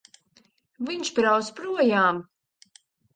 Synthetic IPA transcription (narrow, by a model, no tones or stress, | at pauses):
viɲʃpɾaw̪spɾuɔjaːm